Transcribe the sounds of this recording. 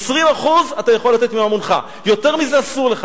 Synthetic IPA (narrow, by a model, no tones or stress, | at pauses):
sʁimaχuzatajaχo̞lːat̪e̞t̪miamonχa̰ | jo̞te̞ʁmizeasuʁleχa